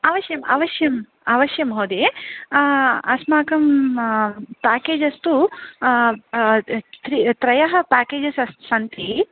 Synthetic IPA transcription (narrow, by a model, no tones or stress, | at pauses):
aːʋɐʃjɐma̰ːʋɐʃjɐm | aːʋɐʃjɐmɦoːd̪eː | ɐsmaːkɐm | paːkeːd͡ʒɐst̪u | t̪ɾit̪ɾɐjɐɦɐ̆paːkeːd͡ʒɐsɐssɐnt̪ʰi